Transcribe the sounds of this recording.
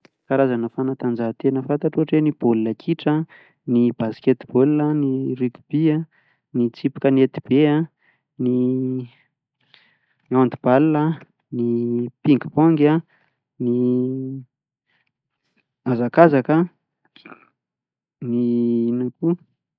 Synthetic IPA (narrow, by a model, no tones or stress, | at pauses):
kaɾazanəfanat̪and͡zaɦt̪enəfant̪aʈ͡ʂuɦaʈ͡ʂwenib̥olilakʰiʈ͡ʂə | nib̥askʲet̪b̥olːənirit̪b̥ia | nit͡sipi̥kənet̪ib̥ea | ni | niand̪ub̥allə | nipiŋɡibɔŋɡʲa | ni | azakazakə | ninaku